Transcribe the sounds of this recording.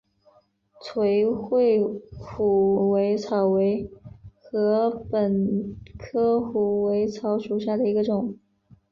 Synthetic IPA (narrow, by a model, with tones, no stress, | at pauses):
t͡sʰwe˧˥ɪxwe˥˩ɪfu˨˩we˧˥ɪt͡sʰɑ˨˩ʊwe˧˥ɪxɤ˧˥pə˨˩nkʰɤ˥xu˨˩we˧˥ɪt͡sʰɑ˧˥ʊʂu˨˩ɕ̬ja˥˩d̪ə˩i˧˥ɡə˧ʈ͡ʂʊ˨˩˦ŋ